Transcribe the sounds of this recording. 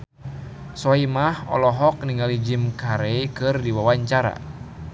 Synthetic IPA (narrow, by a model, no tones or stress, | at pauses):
sɔimahɔ̰lɔɦɔk̚niŋalid͡ʒimkaɾeikɨrdiwawaɲt͡ʃaɾa̰